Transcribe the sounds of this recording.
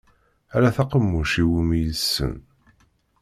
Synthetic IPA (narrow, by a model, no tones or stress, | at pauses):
æɾæθɑqəmːʊʃiwimijəsːə̰n